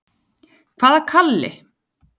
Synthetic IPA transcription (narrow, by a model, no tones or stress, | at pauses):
kʰv̥aːðaɾkʰalːɪ̰